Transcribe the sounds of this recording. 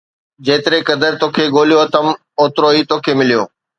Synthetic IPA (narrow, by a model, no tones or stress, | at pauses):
d͡ʑeːt̪ɪɾekɐd̪əɾt̪oːkʰeːɠoːlijot̪ɐm | oːt̪ɾoːiːt̪oːkʰeːmɪlijoː